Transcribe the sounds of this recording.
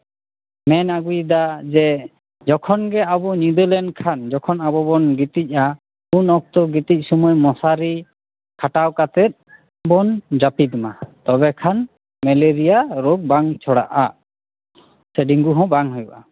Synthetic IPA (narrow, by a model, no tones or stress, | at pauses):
mɛnaɡujd̪ad͡ʒɛ | d͡ʒɔkʰɔnɡɛabɔnud̪ɔlɛnɖkʰand͡ʒɔkʰɔnabɔbɔnɡit̪ic̚ˀa | unɔk̚t̪ɔɡit̪ic̚ˀsɔmɔjmɔsaɾi | kʰaʈawkat̪ɛt̪̚ | bɔnd͡ʒapid̪imat̪ɔbɛkʰan | mɛleɾijaɾɔk̚baŋt͡ʃʰɔɽa̰ʔa | sɛɖiŋɡuɦɔ̃baŋɦɔjuʔa